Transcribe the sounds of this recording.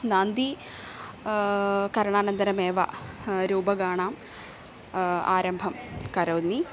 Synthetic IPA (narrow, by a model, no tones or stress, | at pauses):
naːnd̪i | kɐɾɐɳaːnɐnd̪ɐɾɐmeːʋɐ̰ɾuːbɐɡaːɳaːm | a̰ːɾɐmbʱɐmkɐɾɐw̪ni